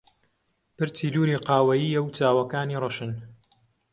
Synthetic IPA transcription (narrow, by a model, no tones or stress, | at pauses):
pɨɾt͡siːluːɾiːqɑːwɐjiːjɐwt͡saːwɐkaːniːrˤɨʃɨn